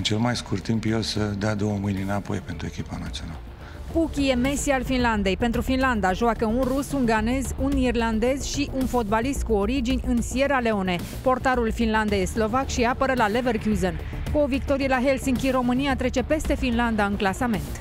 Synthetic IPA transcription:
ɨnt͡ʃe̞lmajskurt̪ːimpjelsəd̪ead̪o̞wəmɨjninapo̞̰jpe̞nt̪ɾue̞kʲipanat̪sionalə | pukʲije̞me̞sialfinland̪e̞jpe̞nt̪ɾufinland̪aʒoakəunrusuŋɡane̞zunirland̪e̞zʃiʔunfo̞t̪̚balist̪̚kuoɾid͡ʒinʲɨnsie̞ɾale̞o̞ne̞ | po̞rt̪aɾulfinland̪ejslo̞vakʃiapəɾəlale̞verkuzon | kuovik̚t̪o̞ɾielaɦe̞lsiŋkʲiro̞mɨniat̪ɾe̞t͡ʃe̞pe̞st̪e̞finland̪aɨnklasame̞nt̪

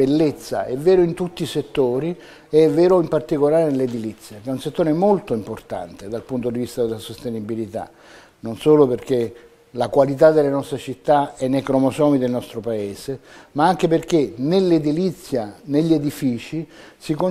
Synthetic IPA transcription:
elːet̪sːa̰ɛvːɛːɾoint̪ut̪ːiset̪ːoːɾi | eɛvːɛːɾoimpart̪ikolaːɾenelːed̪ilit̪sːjakɛunset̪ːoːɾemolt̪oimport̪a̰nt̪ed̪alpunt̪od̪ivist̪ad̪elasost̪enibilit̪a̰ | nonsoːloperk̟e | lakwalit̪̬ad̪elenɔst̪ɾet͡ʃit̪ːaɛnːejkɾɔmosɔːmid̪elnɔst̪ɾopaeːsemaaŋk̟eperk̟enelːed̪ilit̪sːjaneʎːied̪ifiːt͡ʃi | siko

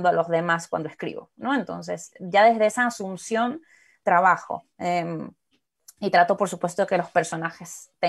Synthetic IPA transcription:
nd̪oalo̞zðe̞maskwa̰nd̪oeskɾḭβo̞̰no̞e̞nt̪o̞̰ns̬e̞sɟ͡ʝaðe̞zðe̞esaːsumsjo̞n | t̪ɾaβaxo̞̰ | em | it̪ɾat̪o̞po̞ɾsu̥pwe̞s̬t̪oekelo̞spe̞ɾso̞naxe̞st̪e

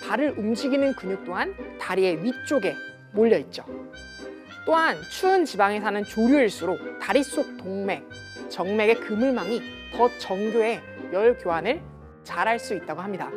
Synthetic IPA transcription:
paɾɯɾumd͡ʑiɡinɯnkuɲuk̚t͈oŋɦantaɾie̞ɥit͡ɕ͈oɡe̞ | moʎːʌit̚t͡ɕ͈o | t͈oɦant͡ɕʰuɯnt͡ɕibaŋe̞sʰanɯnt͡ɕoɾjuiɭs͈uɾotaɾis͈ok̚toŋme̞k̚ | t͡ɕʌŋme̞ɡe̞kɯmɯɭmaŋi | tʌt͡ɕʌŋɡjoe̞ | jʌɭkjoɦanɯɭ | t͡ɕaɾɦaɭs͈uit̚t͈aɡoɦamɲida

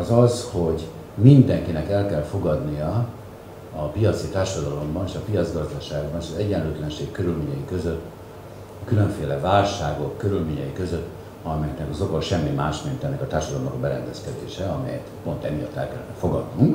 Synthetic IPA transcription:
ɒzɒzho̞ɟ | mind̪ɛŋkinɛkɛlkɛlfo̞ɡɒd̪nijɒː | pijɒt̪sit̪aːrʃɒd̪ɒlo̞mbɒneːʃɒpijɒd̪zɡɒzd̪ɒʃaːɡbɒneːʃɒzɛɟɛnløːt̪lɛnʃeːkkøɾylmeːɲɛjikøzøt̪ː | kyløɱfeːlɛvaːlʃaːɡo̞kːøɾylmeːɲɛjikø̞zøt̪ː | ɒmɛjɛknɛkɒzokoʃɛmːimaːʃmint̪ɛnːɛkɒt̪aːrʃɒd̪ɒlomnɒ̰kɒbɛɾɛ̰nd̪ɛskɛd̪ḛːʃɛɒmɛ̰jɛ̰t̪po̞nt̪ɛmːijɒ̰t̪ːɛ̰lkɛlːɛ̰nɛfo̞ɡɒd̪nuŋk

